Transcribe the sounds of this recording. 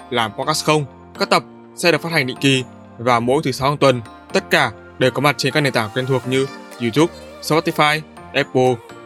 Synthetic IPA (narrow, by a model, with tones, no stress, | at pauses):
laː˨˩mpɔ˧ka˦˥sxə˧wŋ͡m | kaː˦˥k̚t̪ə˨˩p̚ | sɛ̰˧˥ɨ˨˩k̚fa˦˥hŋ̟ɗḭ˧˨ki˨˩ | vaː˨˩mo̰˧˥jt̪ʰɨ˨˦sa˨˦whaː˧ŋt̪wə˨˩n | t̪ə˦˥t̚kaː˧˩ | ɗe˨˩kɔ˨˦ma˨˩t̚t͡ɕe˧nkaː˦˥k̚na˨˩t̪aː˧˩wkwe˧nt̪ʰu˨˩ək̚ɲɨ˧zu˧t̪u˦˥p̚ | spɔ˦˥t̪i˧faː˧j | ʔɛ˦˥p̚ːo˧